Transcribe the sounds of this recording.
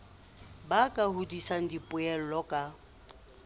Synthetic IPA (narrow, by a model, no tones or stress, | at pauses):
bakʼahudisan̩dipʼʊɛl̩lɔkʼa